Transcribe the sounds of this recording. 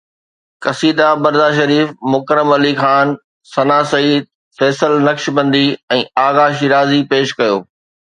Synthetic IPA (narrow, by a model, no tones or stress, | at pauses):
kɐsiːd̪abɐɾd̪aʃ̬ɐɾiːfmʊkɾəmɐlixaːn | sɐnaːsɐiːd̪̚ | fɛːsəlnɐkʃbɐ̃nd̪iɛ̃ːaːɣaːʃiɾaːzipeːʃkɐjoː